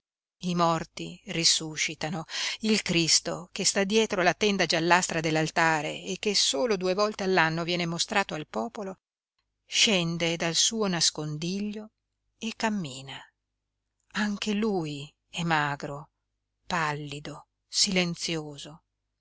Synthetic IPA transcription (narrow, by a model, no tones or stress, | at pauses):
imɔrt̪irisuʃit̪anoilkɾist̪o̰kest̪ad̪jɛːt̪ɾolat̪ɛnd̪ad͡ʒalːast̪ɾad̪elːalt̪aːɾḛːkːesoːlod̪uevɔlt̪ealːanːovjɛːnemost̪ɾaːt̪oalpɔːpolo | ʃɛnd̪ed̪alsuːonaskond̪iʎːo | ekːamːiːna | aŋk̟eluj | ɛmaːɡɾo | palːid̪o | silent̪sjoːzo